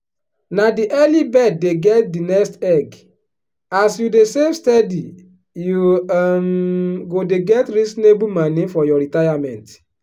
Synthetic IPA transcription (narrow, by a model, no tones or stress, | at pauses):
nadiʔɛlibɛddeɡɛt̚dinɛstɛɡ | asjudesemstɛdi | jumɡodeɡɛtɾisnebumanĩfɔjɔɾitajamɛ̰̃nt